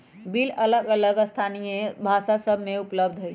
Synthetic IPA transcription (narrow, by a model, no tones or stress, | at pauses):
bilələɡələɡst̪ʰanijebʱaʃasəbʱmeupləb̚d̪ʱɦə